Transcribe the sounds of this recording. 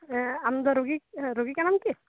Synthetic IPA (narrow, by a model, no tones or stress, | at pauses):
ɛamd̪ɔɾoɡikɾoɡikanamk̪i